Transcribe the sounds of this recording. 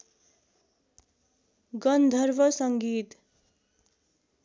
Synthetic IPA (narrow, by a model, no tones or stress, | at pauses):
ɡʌnd̪ʱʌrbʌsʌŋɡit̪